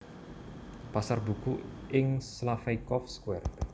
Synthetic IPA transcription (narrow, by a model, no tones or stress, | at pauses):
pasarbukuɪŋslafɛjkɔfskwɛrt̪